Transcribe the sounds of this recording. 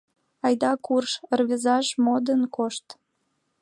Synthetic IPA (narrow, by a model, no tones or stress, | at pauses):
ɑjd̪ɑkurʃərβizɑʃmod̪ənkoʃt̪